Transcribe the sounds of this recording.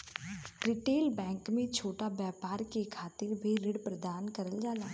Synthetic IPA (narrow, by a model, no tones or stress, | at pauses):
ɾɪʈeːlbɛ̃ːŋkmẽt͡ʃʰoːʈabjaːpaːɾkekʰaːt̪ɪɾbʱiɾɪɽpɾəd̪aːnkɐɾəld͡ʒaːlaː